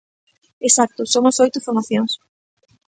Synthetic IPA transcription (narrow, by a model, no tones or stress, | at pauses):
esak̚t̪ʊsomʊsojt̪ʊfoɾmaθjoŋs